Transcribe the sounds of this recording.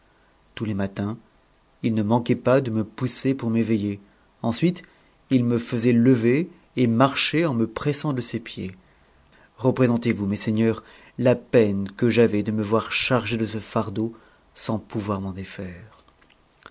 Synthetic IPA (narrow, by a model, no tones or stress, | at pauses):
t̪ulemat̪ɛ̃ | ilnəmɑ̃kɛpad̪əməpusepuʁmeveje | ɑ̃sɥit̪ | ilməfəzɛləveː | maʁʃeɑ̃məpχɛsɑ̃d̪əsepje | ʁəpχezɑ̃t̪evumeseɲœʁ | lapɛnkəʒavɛd̪əməvwaʁʃaʁʒed̪əsəfaʁd̪o | sɑ̃puvwaʁmɑ̃d̪efɛːʁ